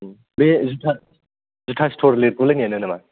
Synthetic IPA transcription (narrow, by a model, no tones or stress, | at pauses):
bezutʰa | zutʰastʰoɾleɾkulananenama